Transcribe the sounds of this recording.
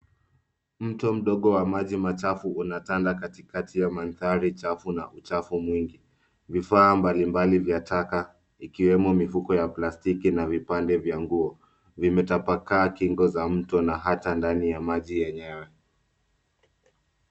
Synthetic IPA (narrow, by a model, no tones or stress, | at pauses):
m̩tɔm̩ɗɔɠɔwamaʄimat͡ʃafuunatandakatikatʰijamanθaɾit͡ʃafunaʔut͡ʃafumwiŋɡi | vifaːmbalimbalivjataka | ikiwɛmumifukɔjaplastikinavipandɛvjaŋɡuɔ | vimɛtapakaːkiŋɡɔzam̩tɔnaɦatandanijamaʄijɛɲɛwɛ